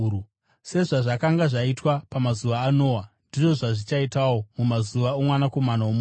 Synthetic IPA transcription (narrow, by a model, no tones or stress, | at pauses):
se̞ʐaʐakaŋɡaʐaitwapamazuʋaːno̞ːwandiʐo̞ʐaʐit͡ʃaitawo̞mumazuʋaomwanako̞manaomː